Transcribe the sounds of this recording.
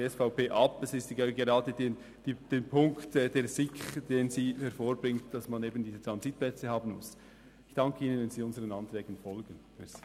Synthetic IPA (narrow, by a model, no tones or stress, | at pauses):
ɛsfaʊpeːʔɑpɛsɪstɡɡeʁɑːdəden | d̥id̥eːnpʰʊŋktɛːdeːɾzɪkd̥eːnziːhɛɾfoːɾbʁɪŋt̚d̥ɑsmaneːbən̩diːzət̪ʁɑnzit̚plɛt͡səhɑːbn̩mʊ̰s | ɪçd̥ɑŋkʰəiːnənvɛnziːʊnzəʁənɑntʁɛːɡ̥ənfɔlɡən̩fys